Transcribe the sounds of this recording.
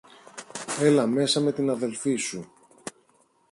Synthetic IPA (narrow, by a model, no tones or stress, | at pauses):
e̞lɐme̞sɐme̞t̪inɐðe̞lfisu